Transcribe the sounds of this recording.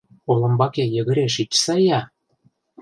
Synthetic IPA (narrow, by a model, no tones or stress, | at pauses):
olɤ̆mbɑkejə̆ɣə̆ɾeʃit͡ɕsɑjɑ